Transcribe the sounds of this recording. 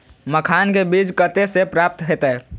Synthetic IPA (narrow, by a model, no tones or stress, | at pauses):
məkʰankebid͡ʒkət̪esepɾap̚t̪ɦet̪ə